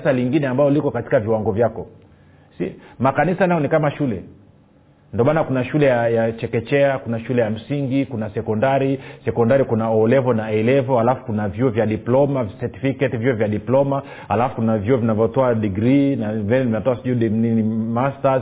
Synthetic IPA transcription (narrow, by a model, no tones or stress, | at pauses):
saliŋɡinɛambalɔlikɔkati̥kaviwaŋɡɔvjakɔ | simakanisanajɔnikamaʃulɛ | ndiɔmanakunaʃulɛjajat͡ʃɛkɛt͡ʃɛakunaʃulɛjam̩siŋɡikunasɛkɔndaɾisɛkɔndaɾikunaɔːlɛvɔnaɛɛlɛvɔhalafu̥kunavjuɔvjaɗiplɔmavsɛti̥fikɛtivjuɔvjaɗiplɔma | halafu̥kunavjuɔvinavjɔtɔaɗiɡɾinavɛnɛimɛtɔasiʄuɗininimastaz